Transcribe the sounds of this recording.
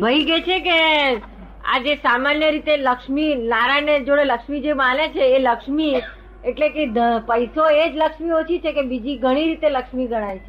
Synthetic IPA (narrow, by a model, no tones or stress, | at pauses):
bʱəiɡet͡ʃʰeke | a̰d͡ʒesamanjəɾit̪eləkʃminaɾajned͡ʒoɽeləkʃmid͡ʒemanet͡ʃʰeːləkʃmi | eʈleked̪əpəjsoed͡ʒləkʃmiot͡ʃʰit͡ʃʰekebid͡ʒiɡʱəɽ̃iɾit̪eləkʃmiɡʱəɽ̃ajt͡ʃʰe